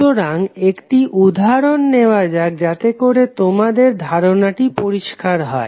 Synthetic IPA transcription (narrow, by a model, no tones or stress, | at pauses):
oɾaŋekʈiʔud̪ʱaɾonːeoad͡ʑak̚d͡ʑat̪ekoɾet̪omad̪eɾd̪ʱaɾonaʈipoɾiʃkaɾɦɔ̰e